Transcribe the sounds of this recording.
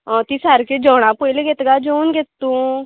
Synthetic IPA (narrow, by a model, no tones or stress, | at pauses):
ɔ̃t̪isaɾked͡ʒɔːɽ̃ãpoilɡet̪ɡad͡ʒoːnɡet̪ːũ